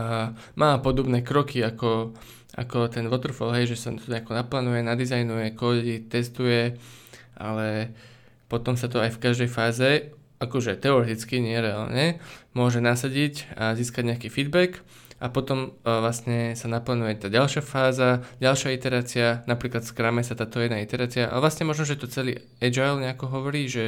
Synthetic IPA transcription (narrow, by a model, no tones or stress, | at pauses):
a | maːpɔd̪ɔbnɛːkɾɔkiakɔ | ʔa̰kɔt̪ɛnʋɔt̪rɾ̩fɔ̰lɦɛjʒɛsat̪ɲɛakɔnaplaːnujɛnad̪izajnujɛkɔːdit̪ɛst̪ujɛ | ʔa̰lɛ | pɔt̪ɔmsat̪̬ɔajfkaʒd̪ɛjfaːzɛ | akɔʒɛt̪ɛɔɾɛt̪it͡skiɲɪɛɾɛa̰ːlɲɛmʊɔʒɛnasaɟicaziːskaɟɲɛakiːfiːd̪bɛk | ʔapɔt̪ɔmʋlasɲɛsanaplaːnujɛt̪aːɟalʃɪafaːzaɟalʃɪait̪ɛɾaːt͡sianapɾiːklat̪fskɾamɛsat̪aːt̪ɔjɛd̪nait̪ɛɾaːt͡siaʔa̰ʋlasɲɛmɔʒnɔʒɛɛt̪ɔt͡sɛlḭ | ɛd͡ʒajlɲɛakɔɦɔʋɔɾiːʒɛ